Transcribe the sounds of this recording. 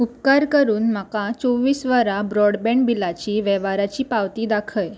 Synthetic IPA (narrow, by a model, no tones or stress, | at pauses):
upkaɾkəɾuːnmakat͡sɔʋiːsʋəɾabɾɔɽbɛ̃ɳʈbilat͡ɕiːʋɛʋaɾat͡ɕiːpaʋt̪iːd̪akʰəj